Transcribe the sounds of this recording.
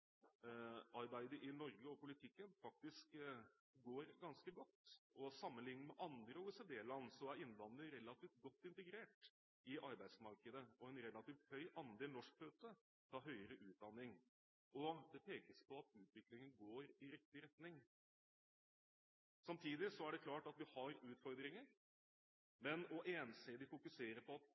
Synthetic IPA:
ɑɾbæɪd̪əɾʔɪnɔɾɡəɔpʊlɪt̪ʰɪkːənfɑk̚t̪ɪsk | ɡoːɾɡɑnskəɡɔt̪ːɔsɑmːənlɪŋnəmɛʔɑnd̪ɾəɔʋɪsəd̪eːllɑnːsɔæɾɪnːʋɑnd̪əɾɛlːɑt̪iːft̪̚ɡɔt̪ːɪnt̪əɡɾeːʈ | ɪʔɑɾbæɪd̪smɑɾkəd̪əɔɛnɾɛlɑt̪iːft̪hœʏʔɑnd̪eːlnɔʂkføːt̪ə | t̪ʰɑːɦœʏəɾəʔʉːt̪̚d̪ɑnːɪŋ | ɔd̪ɛpʰeːkəspʰɔɑt̪ʉːt̪ʋɪklɪŋənɡoːɾɪɾɪk̚t̪ɪɾɛt̪nɪŋ | sɑmt̪ʰiːd̪ɪsɔæɖɛkʰlɑːʈɑt̪ʋɪhɑɾʉːt̪fɔɾd̪ɾɪŋəɾ | mɛnɔʔeːnseːd̪ɪfʊkʉseːɾəɾpʰɔɑt̪

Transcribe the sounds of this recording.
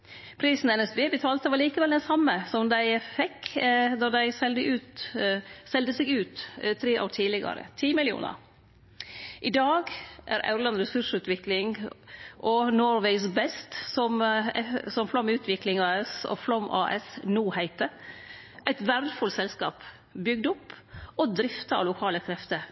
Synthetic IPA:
pʰɾiːsn̩ɛnɛsbeːbət̪ʰɑːlt̪əʋɑɭiːkəʋɛld̪ɛnsɑmːəsɔmd̪æɪfɛkːd̪ɑd̪æɪsɛld̪əʔʉːt̪ | sɛld̪əsɛɡʉːt̪t̪ʰɾeːʔɑ̰t̪ʰiːlɪɡɑ̰ɾə̰t̪ʰiːmɪlɪṵːnə̰ɾ | ʔɪd̪ɑːɡʔæ̰ɾʔɑ̰ʉɾlɑnɾɛsʉʂʉːt̪ʋɪklɪŋ | ʔɔnɔɾʋeɪsbɛst̪sɔm | sɔmflɔmʉːt̪ʰʋɪklɪŋɑɛsɔ̰flɔmʔɑːʔɛ̰snuːhæɪt̪ə | ʔæɪt̪ʋæɾd̪əfʊlsɛlskɑ̰ːp | bʏɡ̚d̪ʊpːɔd̪ɾɪft̪ɑɑ̰lʊkʰɑːləkʰɾɛft̪ə

